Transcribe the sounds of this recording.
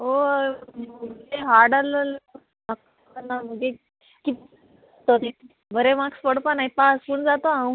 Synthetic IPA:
ɦo | məɡeɦaɾɖaləl | mak | kənːam̤əɡe | kit̪ | t̪ot̪e | bəɾemakspəɽpanajpaspəɳd͡zat̪oã

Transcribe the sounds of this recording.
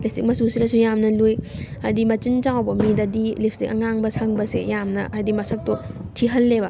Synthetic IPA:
listik̚mɐsusiɾɐsujamnɐlujadimɐt͡ʃint͡ʃawbɐmidɐdilip̚ʰstikɐŋaŋbɐsʰɐŋbɐsḛjamnɐ̰ʔajdimɐsɐk̚totʰiɦɐlːebɐ

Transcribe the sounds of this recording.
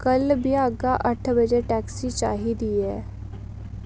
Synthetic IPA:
kɐlbʱiaːɡaʔɐʈʰbʱɐd͡ʒeʈɛːksit͡ʃa̰ːɦid̪iɛː

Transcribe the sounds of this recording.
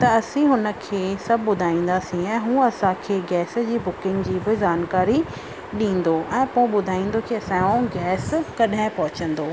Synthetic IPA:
t̪ɐɐsĩɦʊnə̆kʰeːsɐbʱɓʊd̪ʱaːĩːn̆d̪asĩɛ̃ːɦũːɐsãkʰeːɡɛːs̆d͡ʑiːbʊkɪ̃ŋɡd͡ʑiːbɪzaːnkaːɾi | ɗĩːn̆d̪oʔɛ̃ːpõɪ̃ɓʊd̪ʱaːĩːn̆d̪okiɐsãjõɡɛːskɐɗɦɪ̃pɐɦʊt͡ɕə̃nd̪oː

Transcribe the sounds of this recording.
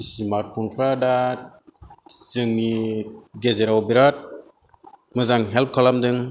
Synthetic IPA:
smaɾt̚pʰɔnpʰɾada | z̥ɯŋniɡezeɾawbiɾat̚ | mɯzaŋɦɛlp̚kʰalamdɯŋ

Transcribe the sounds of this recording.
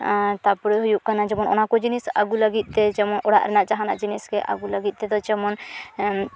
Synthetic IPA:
t̪apɔɾeɦujuʔkanad͡ʒɛmɔnɔnakɔd͡ʒinisa̰ɡulaɡit̪̚ˀt̪ɛd͡ʒɛmɔnʔɔɽa̰ʔɾɛnaʔt͡ʃaɦana̰ʔd͡ʒiniskɛʔa̰ɡulaɡit̪̚t̪ɛd̪ɔd͡ʒɛmɔn

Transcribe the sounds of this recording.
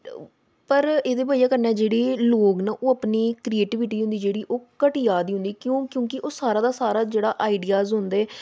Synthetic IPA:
pəɾeːd̪eːbaːijaːkəɾnɛːd͡ʒeːɽeːloːɡnaːʔoːəpniːkɾieːʈɪʋɪʈiːɦʊ̃nd̪iːd͡ʒeːɽiːʔoːkəʈɪːjaːd̪iːʊ̃nd̪iːkjõːkjõːkɪʔoːsaːɾãːd̪aːsaːɾaːd͡ʒeːɽaːʔaːɪɖiːaːzɦʊ̃nd̪eːɛː

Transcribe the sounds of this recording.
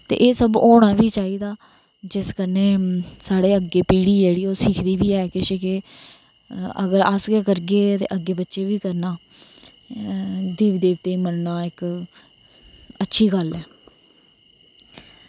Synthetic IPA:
t̪ḛːʔeːsəboːɽ̃ãːʋiːt͡ʃaːiːd̪aː | d͡ʒɪskəneːsaːɽeːəɡeːpiːɽiːd͡ʒeːɽiːoːsɪːkʰd̪iːʋiːɛːkɪʃɪke | ə̰ɡəɾəsɡeːkəɾɡeːt̪ḛːʔəɡːeːbətːʃeːʋiːkəɾnaː | d̪eːʋd̪eːʋt̪eːiːmənnaːɪk | ətːʃʰiːɡəlɛː

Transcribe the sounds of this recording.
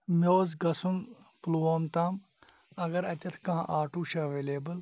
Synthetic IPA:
mʲoːzɡɐsunpluːɐːmt̪aːm | ɐɡɐɾɐt̪ʲɐɾkãːʔaːʈuːʃɐʋeːleːbɐl

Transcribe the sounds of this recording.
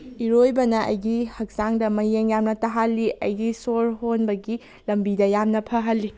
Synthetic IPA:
iɾojbɐnɐʔɐ̰jɡihɐk̚saŋdɐmɐjeŋjamnɐtɐɦalːiʔɐjɡisoɾɦonbɐɡi | lɐmbidɐjamnɐpʰɐɦɐlːi

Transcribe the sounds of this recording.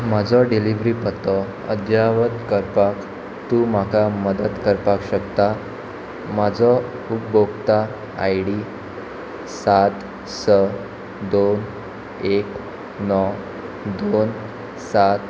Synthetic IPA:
m̤ad͡zɔɖiliʋɾiːpət̪ɔ | ə̰d̪ʱjaʋət̪kəɾpak | t̪uːm̤akʰaməd̪ət̪kəɾpakɕəkt̪a | mad͡zɔ | upbokt̪a | a̰jɽi | sat̪ | sə | d̪on | ek | nɔ | d̪on | sat̪

